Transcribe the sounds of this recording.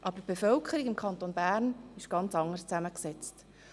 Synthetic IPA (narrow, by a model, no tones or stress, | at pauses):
ʔɑb̥əb̥efœlkʰəɾiɡɪmkʰχɑnt̪oːnbæːɾnɪʃɡ̥ɑnt͡sɑŋəst͡sæməksɛt͡st